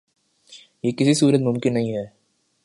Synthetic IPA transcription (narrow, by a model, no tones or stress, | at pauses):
jeːkɪsisuːɾət̪mʊ̃mkɪnːɐɦĩɦɛː